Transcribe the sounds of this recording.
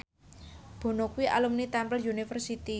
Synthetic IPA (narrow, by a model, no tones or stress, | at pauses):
b̥o̤nokuwiʔa̰lumnit̪ɛmpəljunifərsit̪i